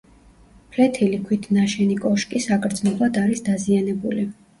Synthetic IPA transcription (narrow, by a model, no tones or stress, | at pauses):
pʰlɛt̪ʰilikʰwit̪ʰnaʃɛnikʼɔʃkʼisakʼɾd̪znɔblˠad̪aɾisd̪azianɛbuli